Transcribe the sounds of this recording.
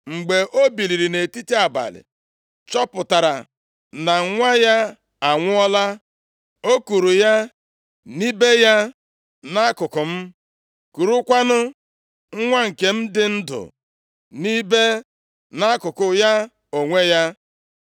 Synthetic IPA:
ŋ͡m̩˨ɡ͡be˨ʔo˦bi˨li˨ɾi˨ne˨ti˦ti˦a˨ba̰˨lɪ̰˨ | t͡ʃɔ˦pʊ˨ta˨ɾa̰˨ | na˨ŋ̩˦ŋʷa˦ja˦ | a˨ŋʷʊ˦ɔ˦la˦ | o˦ku˨ɾu˨ja˦ | ni˦be˦ja˦ | na˦kʊ˨kʊ˨m̩˦ | ku˨ɾu˦kʷa˦nʊ˦ | ŋ̩˦ŋʷa˦ŋ̩˨ke˨m̩˦dɪ˦n̩˦dʊ̰˨ | ni˦be˦ | na˦kʊ˨kʊ˨ja˦ | o˨ŋʷe˦ja˦

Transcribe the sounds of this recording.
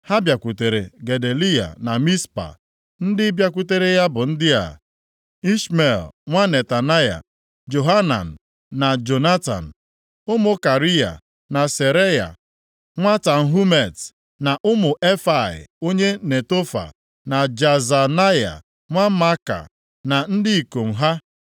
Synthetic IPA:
ha˦bja˨kʷu˨te˨ɾe˨ɡe˨de˨li˦a̰˨na˨mi˦spa̰˨ | n̩˦dɪ˦bja˦kʷu˦te˦ɾe˦ja˦bʊ˨n̩˦dɪ˦a̰˨ | i˦ʃme˨lŋʷa˦ne˨ta˨na˦ja̰˨ | d͡ʒo˨ɦa˦na̰˨n̩˨ | na˨d͡ʒo˨na˦ta̰˨n̩˨ | ʊ˦mʊ˨ka˨ɾi˦a̰˨ | na˨se˨ɾe˦ja̰˨ | ŋʷa˦ta˨n̩˨ɦu˦me˨t | na˨ʔʊ˦mʊ˨ʔe˦fa˨ɪ̰˨o˦ɲe˦ne˨to˦fa̰˨ | na˨d͡ʒa˨za˨na˦ja̰˨ | ŋʷa˦ma˦ka̰˨ | na˨n̩˦dɪ˦i˨ko˨ŋ̩˨ɦa˦

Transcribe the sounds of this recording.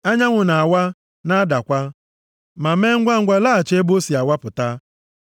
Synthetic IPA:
a˦ɲa˦ŋʷʊ˨na˨wa˦ | na˦da˨kʷa˦ | ma˨me˦ŋ̩˦ɡʷa˦ŋ̩˦ɡʷa˦laː˦˨t͡ʃe˦bo˦si˨a˨wa˦pʊ˨ta˦

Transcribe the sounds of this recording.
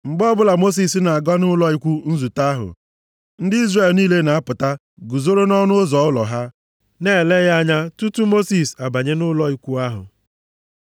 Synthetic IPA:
ŋ͡m̩˨ɡ͡bɔ˦bʊ˦la˨mo˦s̬i˨sna˨a˨ɡɔ˦nʊ˦lɔ˦i˦kʷu˦n̩˦zu˨ta˦ɦʊ̰˨ | n̩˦dɪ˦i˦zre˦˨lniː˦le˦na˨a˦pʊ˨ta˦ | ɡu˨zo˦ɾo˦nɔ˦nʊ˦zɔ˨ʊ˦lɔ̰˨ɦa˦ | neː˦˨le˦ɣa˦ɲa˦tu˦tu˦mo˦si˨sa˨ba˨ɲe˦nʊ˦lɔ˦i˦kʷu˦a˦ɦʊ̰˨

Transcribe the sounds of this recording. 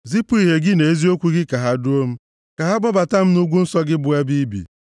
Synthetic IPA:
zi˦pʊ˦i˨ɦe˨ɡɪ˦ne˨e˦zi˦o˦kʷu˦ɡɪ˦ka˨ɦa˦dʊ˦o˦m̩˦ | ka˨ɦa˦bɔ˦ba˨ta˦m̩˦nu˦ɡʷu˦n̩˦sɔ˦ɡɪ˦bʊ˦a˦bi˦bḭ˨

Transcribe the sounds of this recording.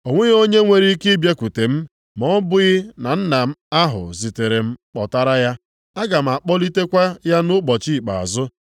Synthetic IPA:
o˨ŋʷe˦ɣo˦ɲe˦ŋʷe˦˨ɾi˦kɪ˦bja˦ku˨te˨m̩˦ | mɔ˦bʊ˦ɣɪ˦na˨n̩˦na˨m̩˦a˦ɦʊ̰˨zi˨te˨ɾe˨m̩˦k͡pɔ̰˨ta˦ɾa˦ja˦ | a˦ɡa˨m̩˨a˨k͡pɔ˦li˦te˦kʷa˦ja˦nʊ˦k͡pɔ˨t͡ʃi˦˨k͡pa̰˨a̰˨zʊ˦

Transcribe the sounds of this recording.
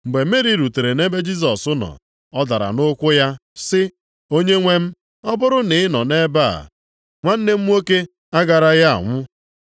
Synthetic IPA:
ŋ͡m̩˨ɡ͡be˨m̩˦e˦ɾi˦ɾu˨te˨ɾe˨ne˦be˦d͡ʒi˦s̬ɔ˨sʊ˦nɔ̰˨ | ɔ˦da˨ɾa̰˨nʊ˦kʷʊ˦ja˦sɪ˦ | o˦ɲe˦ŋʷe˦m̩˦ | ɔ˦bʊ˦ɾʊ˦nɪ˨ɪ˦nɔ˨ne˦ba˦˨a̰˨ | ŋʷa˦n̩˦ne˦m̩˦m˦o˦ke˦ | a˦ɡa˨ɾa˦ɣa˦a̰˨ŋʷʊ˦

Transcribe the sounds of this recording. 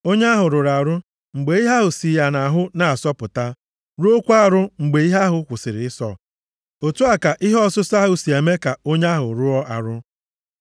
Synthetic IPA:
o˦ɲa˦ɦʊ˨ɾʊ˨ɾa˨ɾʊ˦ | ŋ͡m̩˨ɡ͡be˨˦i˦ɦa˦ɦʊ˨si˨ja˨na˨ɦʊ˦na˨a˨sɔ˦pʊ˨ta˦ | ɾu˦o˦kʷu˦a˦ɾʊ˦ŋ͡m̩˨ɡ͡be˨˦i˦ɦa˦ɦʊ˨kʷʊ˨sɪ˨ɾɪ˨ɪ˦sɔ̰˨ | o˨tu˦a˨ka˨ʔɪ˦ɦɔ˦sʊ˦sa˦ɦʊ˨si˨e˨me˦ka˨o˦ɲ˦a˦ɦʊ˨ɾʊ˦ɔ˦ʔa̰˨ɾʊ˦

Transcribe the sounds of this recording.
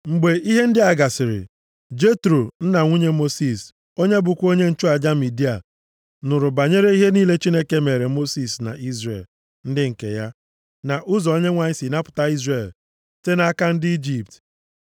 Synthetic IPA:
ŋ͡m̩˨ɡ͡be˨i˦ɦe˦n̩˦dɪ˦a˨ɡa˨sɪ˨ɾɪ̰˨ | d͡ʒe˦tɾo˨n̩˦na˨ŋʷu˦ɲe˦mo˦si˨s | o˦ɲe˦bʊ˨kʷo˦ɲe˦n̩˦t͡ʃʊ˦a˨d͡ʒa˦mi˨di˦a˨ | nʊ˨ɾʊ˨ba˨ɲe˦ɾe˦i˦ɦe˦niː˦le˦t͡ʃi˦ne˦ke˦me˨ɾe˨mo˦si˨sna̰˨ʔi˦zrḛ˨l | n̩˦dɪ˦ŋ̩˨kḛ˨ja˦ | na˨ʔʊ˦zɔ˨o˦ɲe˦ŋʷa˨ɲɪ˦si˨na˦pʊ̥˨ta˦i˦zre˨l | te˦na˦ka˦n̩˦dɪ˦i˦d͡ʒi˨p̚t

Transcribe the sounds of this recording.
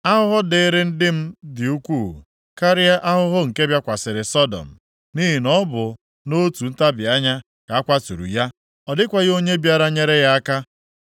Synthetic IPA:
a˦ɦʊ˦ɦʊ˦dɪ˨˦ɾɪ˦n̩˦dɪ˦m̩˦dɪ˨u˦kʷuː˦˨ | ka˦ɾɪ˦a˦ʔa˦ɦʊ˦ɦʊ˦ŋ̩˨ke˦bja˦kʷa˨sɪ˨ɾɪ˨sɔ˦dɔ̰˨m̩˨ | ni˦ɦi˨nɔ˦bʊ˨ | no˦tu˨n̩˦ta˦bɪ˨a˦ɲa˦ | ka˨a˦kʷa˦tu˨ɾṵ˨ja˦ | ɔ˨dɪ˦kʷa˨ɣɪ˦o˦ɲe˦bja˦ɾa˦ɲe˦ɾe˦ja˦a˦ka˦

